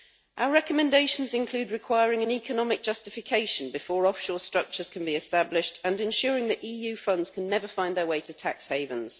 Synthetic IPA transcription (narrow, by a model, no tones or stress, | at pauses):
ʔaʊəɹɛkəmɛ̃ndeɪʃə̃nzɪ̃nkʰl̥ʉːdɹɪkʰw̥aɪəɹɪ̃ŋə̃nikʰənɒmɪk̚d̥ʒ̥ʌstɪfɪkʰeɪʃə̃nbɪfɔːɹɒfʃɔːstɹ̥ʌk̚t͡ʃəz̥kʰə̃nbiɪstablɪʃtʰə̃nɪ̃nʃɔːɹɪ̃ŋðəʔiːjʉːfʌ̃ndz̥kʰə̃nːɛvəfãɪ̃nðəweɪtʰətʰa̰ksheɪvə̃nz̥